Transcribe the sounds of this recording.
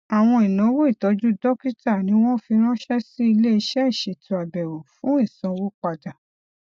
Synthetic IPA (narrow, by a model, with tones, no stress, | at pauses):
a˨w̃ɔ̃˧i˨nɔ̃˨˦wo˦i˦˨tɔ˨˧˦d͡ʒu˦dɔ˦ki˦ta˦˨nĩ˨˦w̃ɔ̃˦fi˧ɾ̃ã˦ʃɛ˦si˦i˧le˦i˧ʃɛ˦i˦˨ʃe˨tũ˨a˨bɛ˨ɾo˨fũ˦i˦˨sã˧wo˦k͡pa˧da˨